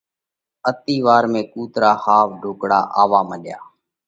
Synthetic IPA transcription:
ət̪iːʋaːɾmẽːkuːt̪ɾaːhaːʋɖʱoːkɽa̰ːʔaːʋaːməɗja̰ː

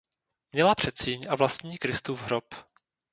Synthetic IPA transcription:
mɲɛlapr̥ɛt̪t͡siːɲʔavlast̪ɲiːkɾɪst̪uvɦɾop

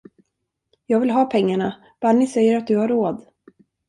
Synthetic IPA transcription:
jɑːɡvɪlɦɑːpʰɛŋːaɳa | b̥anːɪsɛjːəɾat̪̚d̪ɵhaɾːoːd̪

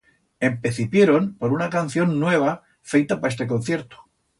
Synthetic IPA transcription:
e̞mpe̞θipje̞ɾo̞npoɾunakan̟θjo̞nːwe̞β̞a | fe̞jt̪apae̞st̪e̞ko̞n̟θje̞ɾt̪o̥

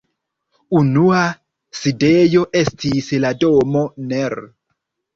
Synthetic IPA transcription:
unua | sidejo̞ʔe̞stʰislado̞moneɾ

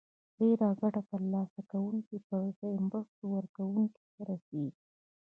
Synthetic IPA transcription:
ɖeɾaɡaɽat̪əɾlɑsakawuŋkipəsajmɾəxt̪owəɾkawuŋki̥taɾaseɡi

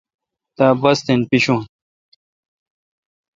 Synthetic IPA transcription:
t̪aːbɐst̪enpiɕũːn

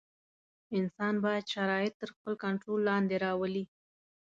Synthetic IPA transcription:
ɪnsɑnbɑjad̪ʃaɾɑjɪt̪ːəɾxpəlkaɳʈɾolːɑnd̪eɾɑwəli

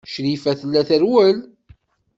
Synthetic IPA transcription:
ʃɾifæθəlːæθəɾwəl

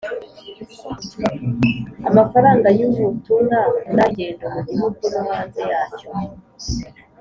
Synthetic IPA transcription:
amafaɾaːŋɡajinzutunanaɟeːndomuɾimukuɾumaːnzejaːco

